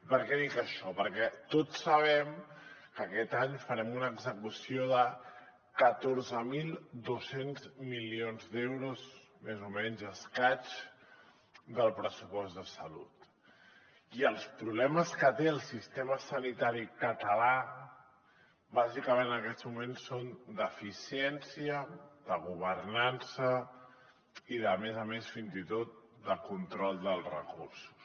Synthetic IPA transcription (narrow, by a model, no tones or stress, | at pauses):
pəɾkɛðikəʃɔpəɾkɛt̪osːəβ̞ɛmkəkɛt̪aɲfəɾɛmunəɡzəkusioðə | kət̪oɾzəmilˠd̪osenzmilionzd̪ewɾuzmezumɛɲzəskat͡ʃ | d̪əlˠpɾəsupɔst̪d̪əsəlṵt̪ | iəlˠspɾuβlɛməskət̪eəlˠsist̪eməsənit̪aɾikət̪əla | bazikəmenəkɛzmumensːond̪əfisiɛnsiəðəɣuβ̞ərnansə | iðəmɛzəmesfinzit̪ot̪̚ | d̪əkunt̪ɾɔlˠd̪əlˠrə̰kursu̥s